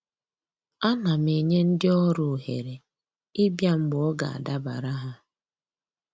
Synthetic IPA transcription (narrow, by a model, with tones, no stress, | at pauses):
a˦na˨me˨ɲe˦n̩˦dɪ˦ɔ˦ɾʊ˨ɦḛ˨ɾe˨ | i˦bja˦m̩˦ɡ͡bɔ˦ɡa̰˨a̰˨da˦ba̰˨ɾa˦ɦa˦